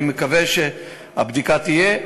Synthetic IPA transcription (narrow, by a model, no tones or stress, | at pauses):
mekaveʃe | ha̰bd̪ikat̪ije